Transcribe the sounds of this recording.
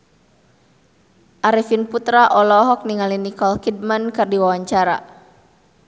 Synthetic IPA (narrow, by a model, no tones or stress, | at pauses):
ʔaɾifinput̪ɾaʔɔlɔɦɔk̚niŋalinikɔlkid̚mankɨrdiwawaɲt͡ʃaɾa̰